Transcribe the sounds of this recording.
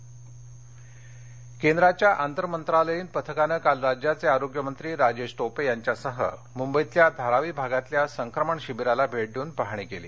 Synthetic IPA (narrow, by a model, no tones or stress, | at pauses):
kend̪ɾat͡ɕjaʔant̪əɾəmənt̪ɾaləjiːnpət̪ʰəkanəkalɾad͡ʑjat͡seaɾoɡjəmənt̪ɾiːɾad͡ʑed͡ʑʈopejaɲt͡ɕjasəɦə̰ | mumbəit̪ljad̪ʱaɾaʋiːbʱaɡat̪ljasəŋkɾəməɳɕibiɾalabʱeɽluːnpaɦɳ̃ikeliː